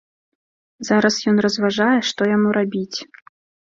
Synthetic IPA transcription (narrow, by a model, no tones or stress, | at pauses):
zaɾɐsjɔn̪rɐzvaʐajɛʂt̪ɔjamuɾabʲit͡sʲ